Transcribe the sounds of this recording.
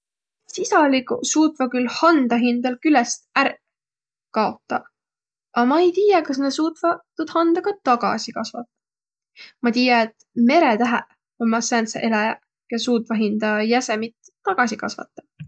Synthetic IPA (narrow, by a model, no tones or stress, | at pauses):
sisɑlikṵsuːt̪ˑvɑkylhɑnd̪̥ɑɦind̪̥ɑlkylɛst̪æɾ | kɑo̞t̪ːˑɑ | ɑmɑejt̪iːjɑkɑs̬ne̥suːt̪vɑt̪ːud̪̥hɑnd̪ɑɡ̥ɑt̪ɑɡ̥ɑ̰sikɑsvɑt̪ːˑɑ | mɑt̪iːjɑet̪ˑ | me̞ɾet̪æɦæ | omɑsænt̪sḛʔe̞lɑjɑ | jɑsuːt̪ˑvɑɦind̪ɑjæsemit̪ːɑɡ̥ɑsikɑ̰svɑ̰t̪ˑːɑ̥